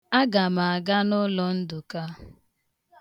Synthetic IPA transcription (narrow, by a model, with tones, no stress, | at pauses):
a˦ɡa˨ma˨a˨ɡa˦nʊ˦lɔ˨n̩˦dʊ˨ka˦